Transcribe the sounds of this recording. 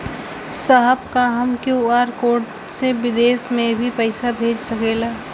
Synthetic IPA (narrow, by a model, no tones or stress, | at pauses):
saɦəbkaɦəmkuaːɾkoːʈ | seʋɪd̪eːsmẽbʱipəɪsabʱeːd͡ʒsɐkeːlaː